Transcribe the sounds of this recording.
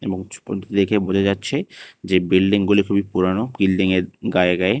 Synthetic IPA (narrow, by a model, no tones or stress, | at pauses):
eboŋ̰ɾekʰebod͡ʑʰʱed͡ʑatːɕʰed͡ʑebilɖiŋɡulikʰubipuɾanoɡilɖiŋeɾɡaeɡae